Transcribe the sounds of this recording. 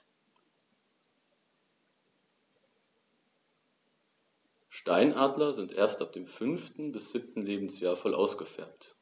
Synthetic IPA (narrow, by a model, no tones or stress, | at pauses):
ʃtaɪnʔaːdlɐzɪntʔeːɐstap̚d̥eːmfʏnftn̩bɪsz̥ɪp̚tn̩leːbm̩sjaːɐfɔlʔa̰ʊsɡ̥əfɛɐpt